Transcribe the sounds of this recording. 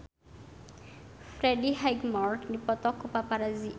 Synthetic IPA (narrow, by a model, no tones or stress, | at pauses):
fɾɛɖiɦajɡmɔɹʈnipɔt̪ɔkːupapaɾazi